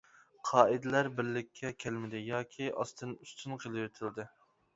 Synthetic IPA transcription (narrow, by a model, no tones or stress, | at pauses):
qʰɑːid̪ɪlæɾbɪɾlɪkʲʰːɛkʲʰælmɪd̪ɪjɑːkʲʰiɑ̰st̪ʰɨnyst̪ʰynqʰelˠɨjøt̪ʰyld̪ɪ